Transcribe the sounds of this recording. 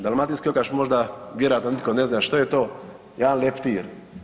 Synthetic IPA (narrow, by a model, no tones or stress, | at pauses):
d̪almat̪inskiokaʃmo̞ʒd̪abjeɾat̪nanit̪̚koneznaʃt̪ojet̪oː | jed̪anlept̪iːɾ